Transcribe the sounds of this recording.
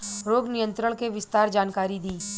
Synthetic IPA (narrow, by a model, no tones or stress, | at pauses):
ɾoːɡnijə̃nt̪ɾəɽ̃keʋɪst̪aːɾd͡ʒaːnkaːɾid̪iː